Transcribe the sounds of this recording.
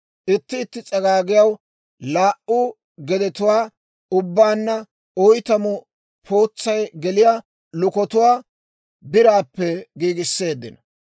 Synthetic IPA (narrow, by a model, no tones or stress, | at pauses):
ʔɪt̪ːɪːt̪ːɪt͡sʼɐɡaːɡɪjɐw | laːʔʊ | ɡɛd̪ɛt̪ʊwaː | ʊbːaːnːɐ | ɔjt̪ɐmʊ | pʰoːt͡sːɐjɡɛlɪja | lʊkɔt̪ʊwaː | bɪɾaːpːɛɡiːɡɪsːe̞ːd̪ːɪnɐ